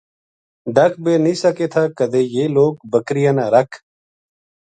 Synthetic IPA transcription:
ɖəkʰbeːnĩːsəkeːt̪ʰaːkəd̪eːjeːloːk̚bəkɾɪjãːnaːɾəkʰ

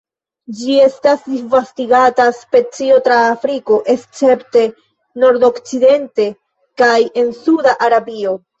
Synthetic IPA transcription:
d͡ʒie̞stasdivastiɡataspe̞t͡sio̞tɾaːfɾiko̞ʔe̞st͡se̞pte̞ | no̞ɾdo̞kt͡side̞nte̞ | kaje̞nsudaʔaɾabio̞

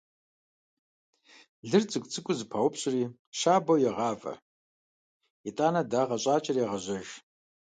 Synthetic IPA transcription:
ɮɨrt͡sʼɨkʷʼt͡sʰʼɨkʷʼʊzpʰawʊpʰɕʼri | ʃaːbowjaʁaːvɐ̰ | itʼaːnadaːʁaɕʷʼaːt͡ʃʼarijaʁaʒʷɐʒ

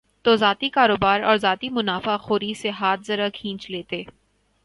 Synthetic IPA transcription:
t̪ozaːt̪ikaːɾoːbaːɾɔːɾzaːt̪imʊnaːfaxoːɾiseɦaːt̪ʰzɐɾakʰĩːt͡ʃleːt̪eː

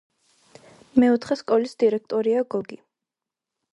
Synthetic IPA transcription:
mɛut̪ʰχɛskʼɔlisd̪̥iɾɛk̚ʰt̪ʼɔɾiaɡɔɡi

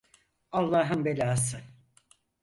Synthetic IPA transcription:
ɑlˠːɑːɦɯmbelʲaːs̬ɯ

